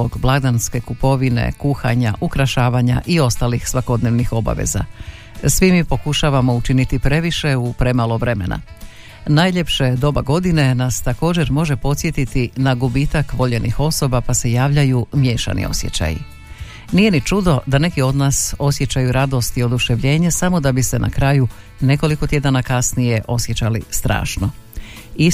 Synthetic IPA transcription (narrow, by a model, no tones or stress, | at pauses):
oɡblˠad̪anske̞kupo̞ʋinḛkuxaɲa̰ʔukɾaʃaːʋaɲa̰ʔio̞st̪aːlixsʋako̞d̪neʋnixo̞ba̰ʋḛza̰ | sʋimipo̞kuʃaːʋamo̞ut͡ʃinit̪ipɾe̞ʋiʃe̞upɾe̞maːlˠo̞ʋɾe̞me̞̰na̰ | naːjʎe̞pʃed̪o̞baɡo̞d̪ine̞nast̪ako̞ːd͡ʑe̞ɾmo̞ʒe̞po̞t̪sʲje̞t̪it̪inaɡubiːt̪akʋo̞ʎe̞nʔḭxo̞so̞bapase̞jaːʋʎajumje̞ːʃa̰nḭo̞̰sje̞̰t͡ɕa̰jḭ | nije̞nit͡ʃud̪o̞d̪ane̞kio̞d̪naːso̞sje̞t͡ɕajuɾad̪o̞st̪io̞d̪uʃe̞ʋʎe̞ːɲesamo̞d̪abise̞nʔa̰kɾaːju | ne̞ko̞liko̞t̪je̞d̪anakasnije̞ʔo̞sje̞t͡ɕalḭst̪ɾa̰ːʃno | i